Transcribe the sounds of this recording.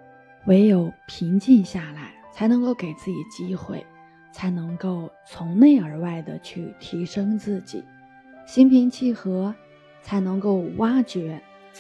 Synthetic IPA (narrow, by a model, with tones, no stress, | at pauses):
we˧˥ɪjo˨˩ʊpʰi˧˥ŋt͡ɕi˥˧ŋɕja˥˩la˧˥ɪt͡sʰa˧˥ɪnɤ˧˥ŋko˥˩ʊke˨˩ɪt͡sɹ̩˥˩t͡ɕḭ˨˩t͡ɕi˥xwe˥˩ɪ | t͡sʰa˧˥ɪnɤ˧˥ŋko˥˩ʊt͡sʰʊ˧˥ŋne˥˩ɪə˞˧˥wa˥˩ɪd̪ə̰˩t͡ɕʰy˥˩t̪ʰi˧˥ʂɤ˥ŋt͡sɹ̩˥˩t͡ɕḭ˨˩˦ | ɕi˥npʰi˧˥ŋt͡ɕʰi˥˩xɤ˧˥ | t͡sʰa˧˥ɪnɤ˧˥ŋko˥˩ʊwʔa˥t͡ɕɥɛ˧˥